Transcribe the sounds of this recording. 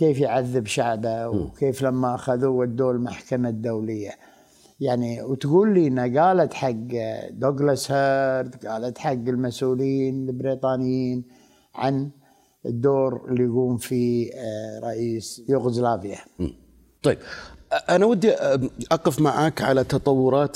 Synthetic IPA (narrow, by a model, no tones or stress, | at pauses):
keːfjʕaðːɪbʃaʕbawkeːflamːaʔaxaðuɪd̪ːoːɾlmaħkamad̪awlɪjːa | jaʕniwt̪ɡuːlːiːnːaɡaːlat̪ħaɡːd̪oɡlashaɾd̪ɡaːlat̪ħaɡːɪlmasʔuːljiːnlɪbɾiːt̪ˤɑːnɪjːiːn | ʕa̰n | əd̪ːoːɾɪlːijɡuːmfi | ɾˤɑʔiːsjuːɣzlaːbɪja | t̪ˤɑjbʔanawad̪ːiʔɑqɪfmaʕaːkʕalat̪ɑt̪ˤɑwːʊɾˤɑːt̪